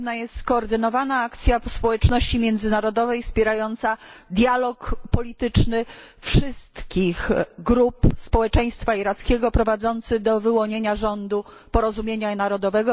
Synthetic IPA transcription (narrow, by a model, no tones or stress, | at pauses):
najɛst̪skɔːɾd̪ɘnɔvanaakt̪sʲjafspɔwɛt͡ʂnɔɕt͡ɕimʲjɛnd̪zɘnaɾɔd̪ɔvɛjfspʲɛɾajɔnt̪sad̪ʲjalɔkpɔlʲit̪ɘt͡ʂnɘ | fʂɘst̪kʲixɡɾupspɔwɛt͡ʂɛj̃st̪faiɾat̪skʲɛɡɔpɾɔvad̪zɔnt̪sɘɣd̪ɔvɘwɔɲeɲaʐɔnd̪u | pɔɾɔzumʲjeɲanaɾɔd̪ɔvɛɡɔ